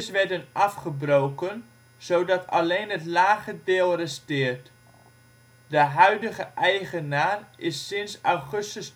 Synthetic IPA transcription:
sʋɛɹdənʔɑfχəbrowkən | z̥owdɑtʰɑlejnɦətlaːχədɪːlˠrəstɪːrt | dəɦœɥdəχəʔɛjχənaːrʔɪsːɪnsawχɵstəs

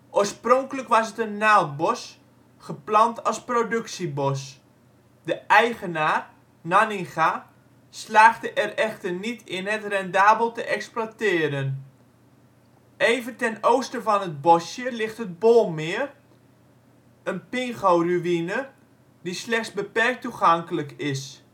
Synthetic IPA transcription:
ʔoəsproŋkələkʋɑsətənːawt̚bɔs | χəplɑntʰɑsprodɵksibɔs | dəʔɛjɣənaːr | nanɪŋɣa | slaːχdəʔɛrɛxtərnitʰɪnɦətrɛndaːbəlˠtəʔɛksplatɪːɾən | ejvəntɛnowstəvɔnəd̚bɔsjəlɪχtɦət̚bolˠmɪːər | ənpɪŋɣowryʋinə | dislɛχtsbəpɛrk̚tuχɑŋkələkɪs

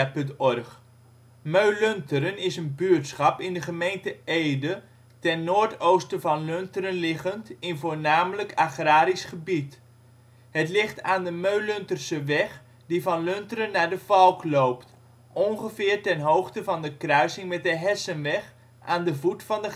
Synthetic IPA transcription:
pɵntɔrχ | møɥløntəɾənɪsənbyɹtsχɑpɪndəχəmejntəejdə | tɛnːoːɹtowstəvɑnløntəɾənlɪχəntɪnvʊːɹnaːmələkaχraːɾisχəbit | hətlɪχtaːndəmøɥlɵntərsəʋɛχ | divɑnløntərənːaːɹdəvɑlˠklowpt | ʔɔnχəvɪːɹtɛnɦowχtəvɑndəkrœɥsɪŋmɛt̚dəɦɛsənʋɛχ | ʔaːndəvutfɑndə

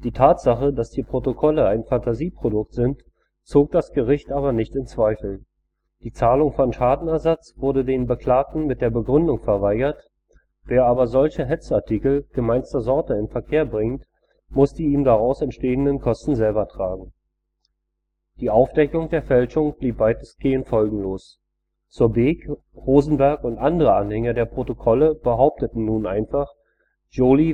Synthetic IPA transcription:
d̥iːtʰaːtz̥aχədasd̥iːpʁ̥otokʰɔləaɪnfantaziːpʁ̥odʊk̚tz̥ɪnt | t͡soːk̚d̥asɡ̥əʁɪçtʔaːβɐnɪçtɪnt͡sv̥aɪfl̩ | d̥iːt͡saːlʊŋfɔnʃaːdn̩ɛɐzat͡sv̥ʊɐdədeːnbəkʰl̥aːk̚tn̩mɪt̚d̥eːɐbəɡʁʏndʊŋfɛɐvaɪɡɐt | v̥eːɐʔaːbɐzɔlçəɦɛt͡səaɐtʰikl̩ɡ̥əmaɪnstɐzɔɐtəɪnfɛɐkʰeːɐbʁɪŋt | mʊsd̥iiːmdaʁaʊsɛntʃteːəndənkʰɔstn̩zɛlbɐtʁ̥aːɡŋ̩ | d̥iːʔaʊfd̥ɛkʊŋd̥eːɐfɛlʃʊŋb̥liːp̚b̥aɪtəsɡ̥eːənfɔlɡŋ̩loːs | t͡suːɐbeːk | ʁoːzn̩bɛɐkʊntʔandəʁəʔanhɛŋɐdeːɐpʁ̥otokʰɔləb̥əɦaʊp̚tətn̩nuːnʔaɪnfaχ | ʒoːli

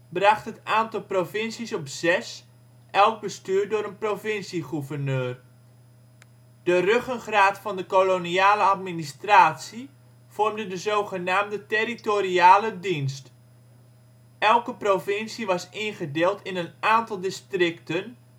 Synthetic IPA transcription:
brɑχtɦətaːntɑlˠprofɪnsisɔpz̥ɛs | ʔɛlˠɡ̚bəstyːdʊːɾənprofɪnsiχuvərnøːr | d̥ərøχənχraːtfɑndəkoloniaːləatministraːtsi | v̥ɔrmdədəzowχənaːmdəteritoriaːlədinst | ɛlˠkəprofɪnsiʋɑsɪnχədɪːlˠtʰɪnənaːntɑlˠdɪstrɪktən

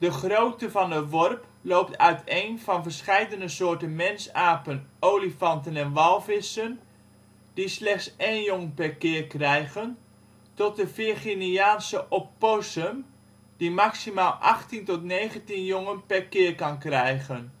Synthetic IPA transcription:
d̥əχrowtəvɑndəʋɔrp | lowp̚tʰœɥtʰejnvɑnvərɹsχɛjdənəsʊːɹtənmɛnsaːpənowlifɑntənɛnʋɑlˠvɪsən | d̥islɛχtsejnjoŋpɛɹkɪːrkrɛjɣən | tɔt̚dəvɪχinijaːnsəʔɔpːosəm | dimaksimaːlˠʔɑχtintɔtnejχəntinjoŋənpɛɹkɪːrkɑnkrɛjχən

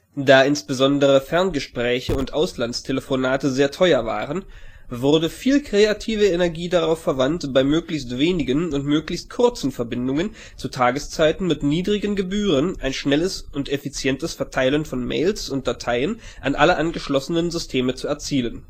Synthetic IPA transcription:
d̥aːɪnsb̥əzɔndəʁəfɛɐnɡəʃpʁ̥ɛːçəʊntʔaʊslantstʰeləfonaːtəzeːɐtʰɔʏɐva̰ːʁən | vʊʁdəfiːlkʁ̥eatʰiːvəenɛɐɡiːdaʁaʊfːɛɐvantb̥aɪmøːklɪçstv̥eːnɪɡənʊntmøːklɪçst̚kʰʊɐt͡sn̩fɛɐbɪndʊŋən | t͡sutʰaːɡəst͡saɪtn̩mɪtniːdʁɪɡənɡəbyːʁ̞ənʔaɪnʃnɛləsʊntʔefit͡sjɛntəsfɛɐtʰaɪlənfɔnmḛɪlsʊnt̚d̥atʰaɪən | ʔa̰nʔa̰ləʔanɡəʃlɔsənənzʏstʰeːmət͡suɛɐt͡siːlən

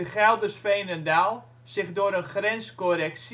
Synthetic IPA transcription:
əχɛlˠdəsfejnəndalˠ | sɪxdʊəɾənχrɛnskorɛks

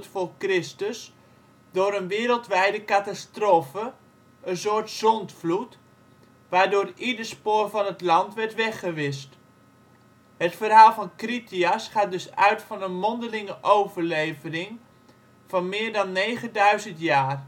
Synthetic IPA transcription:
tfoːrkrɪstəs | doːɾənʋɪːɾəlˠtʋɛjdəkatastroːfə | ənsoːɹtsɔntflut | ʋaːɹdʊːridəɹspoːrvɑnətlɑntʋɛɹtʋɛχəʋɪst | hətfərɦaːlˠfɑnkritiəsχaːt̚dɵsœ̰ɥtfɑnənmɔndəlɪŋəʔowvərlejvənɪŋ | v̥ɑnmɪːɹdɑnːejχəndœɥzəntjaːr

